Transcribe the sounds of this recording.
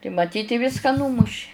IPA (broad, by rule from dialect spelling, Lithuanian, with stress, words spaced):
tɐɪ mɐˈtʲiːt ɪ ˈʋʲɪskɐ ˈnuːmʊʃʲɪ